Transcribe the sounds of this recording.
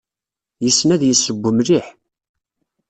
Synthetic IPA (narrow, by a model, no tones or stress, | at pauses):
jəsːnæðjəsːəbʷːəmɾiħ